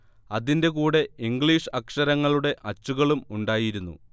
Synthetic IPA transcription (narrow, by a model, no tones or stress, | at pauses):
ɐðinde̞kuːɽe̞iŋɡɭiʂɨɐkʂɐɾɐŋːɐɭuɽe̞ʔɐt͡ɕːuɣɐɭumuɳɖaːjiɾunːṵ